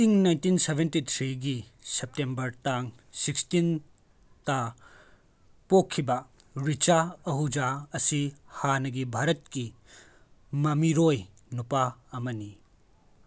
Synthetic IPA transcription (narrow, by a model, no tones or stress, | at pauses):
siŋnajntinsebʱentit̪ʰɾiɡisep̚tembɐɾtaŋ | sikstin | ta | pokʰːibɐ | ɾit͡ʃaɐɦud͡ʒaɐsihanɐɡibʱaɾɐtki | mɐmiɾoj | nupaɐmɐni